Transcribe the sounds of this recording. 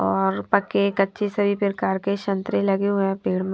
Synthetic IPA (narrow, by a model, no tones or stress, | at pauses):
ɔːɾpɐkekɐtːʃʰesɐbʱipɪɾkaːɾkeʃɐ̃nt̪ɾelɐɡeɦʊɛ̃peːɽm